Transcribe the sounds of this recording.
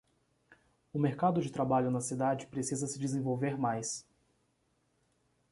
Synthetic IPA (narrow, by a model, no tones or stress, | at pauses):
ʊmeɾkad̪ʊd͡ʒɪt̪ɾabaʎʊnɐsid̪ad͡ʒɪpɾesizɐsɪd͡ʒɪzẽvowveɾmajs